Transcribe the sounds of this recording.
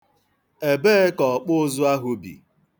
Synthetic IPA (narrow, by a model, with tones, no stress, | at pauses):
e˨beː˦kɔ˨k͡pʊ˦zʊ˦a˦ɦʊ˦bḭ˨